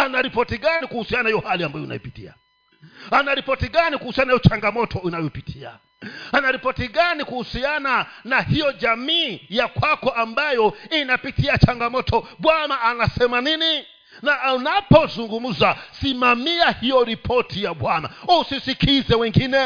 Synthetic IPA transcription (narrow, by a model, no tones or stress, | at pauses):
anaɾipɔtiɠanikuhusianahijɔhaliambajɔḭna̰ḭpitḭa̰ | anaɾipɔtiɠanikuhusianaijɔt͡ʃaŋɡamɔtʰɔinajɔpitʰia̰ | anaɾipɔtiɠanikuhusiananahijɔd͡ʒamiːjakwakɔʔambajɔinapitʰiat͡ʃaŋɡamɔtʰɔɓwanaːnasɛmanini | naʔunapɔzuŋɡum̩zasimamiahijɔɾipʰɔtʰijaɓwanausisikʰizɛwɛŋɡinɛ